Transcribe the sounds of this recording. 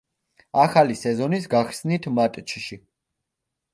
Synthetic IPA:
aχalisɛzɔnis̬ɡaχsnit̪ʰmat̪ʼt͡ʃʰʃi

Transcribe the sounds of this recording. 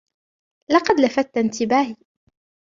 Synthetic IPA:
lɑqɑd̪lafat̪ːnt̪ɪbaːhiː

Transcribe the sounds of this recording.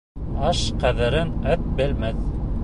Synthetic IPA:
ɑʃqæðɘ̆ɾɘnæt̪̚bɘ̆lmæθ

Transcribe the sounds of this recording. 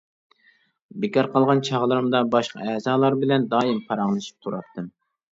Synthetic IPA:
bɪkʲɑɾqʰɑlˠʁɑnt͡ʃʰɑʁlˠɨɾɨmd̪ɑbɑʃqʰɑ̰ɛzɑːlˠɑɾbɪlɛnd̪ɑːimqʰɑɾɑŋlˠɨʃi̥p̚t̪ʰuɾɑ̰pt̪̚ʰːɨm

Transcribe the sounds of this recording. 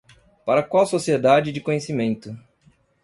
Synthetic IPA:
paɾɐkwawsosied̪ad͡ʒɪd͡ʒɪkõɲesimẽnt̪ʊ

